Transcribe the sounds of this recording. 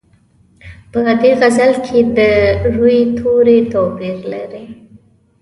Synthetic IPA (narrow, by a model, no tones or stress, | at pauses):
pəd̪eɣazalkʰed̪əʐujet̪ʰoɾet̪ɔpiɾlaɾi